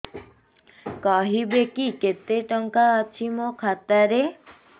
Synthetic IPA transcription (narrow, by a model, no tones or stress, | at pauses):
kaɦibekiket̪eʈɔŋkaːt͡ʃʰimokʰat̪aɾe